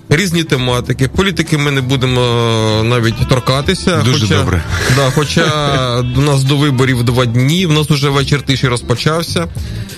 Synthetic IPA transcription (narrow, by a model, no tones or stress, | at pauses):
ɾʲizʲnʲit̪emɑt̪ɪkɪpɔlʲit̪ɪkɪmɪnɛbud̪emɔnɑʋʲitʲt̪ɔrkɑt̪ɪsʲɐd̪uxɔʒɛdt͡ʃ̪ɔbɾɛ̰d̪ɑxɔt͡ʃɑ | nɑsd̪ɔʋɪbɔɾʲiwd̪ʋɑdʲnʲiwnɑsʊʒɛʋɛt͡ʃɪrt̪ɪʃiɾɔspɔt͡ʃɑwsʲɐ